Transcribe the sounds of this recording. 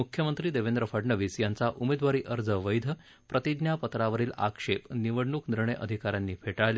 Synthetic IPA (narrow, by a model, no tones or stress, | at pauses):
mukʰːjəmənt̪ɾiːd̪eʋend̪ɾəfəɖɳəʋiːsjant͡saʔumed̪ʋaɾiːʔəɾd͡zəʋəjd̪ʱə | pɾət̪id̪njapət̪ɾaʋəɾiːla̰kʂepniʋəɽɳuːkniɾɳəjʔə̰d̪ʱikaɾjanːiːfʰeʈaɭle